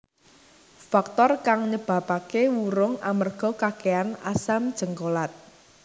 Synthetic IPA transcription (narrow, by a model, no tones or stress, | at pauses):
fak̚t̪ɔrkaŋɲəb̥a̤pakewuɾʊŋamərɡ̥ɔ̤kakeanasamd̥ʒ̥əŋkolat̪̚